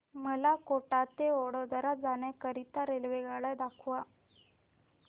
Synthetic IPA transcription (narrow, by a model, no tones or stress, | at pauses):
məlakoʈat̪ːeoɽəd̪əɾad͡zanjakəɾit̪aɾelʋeɡaɭajd̪akʰʋa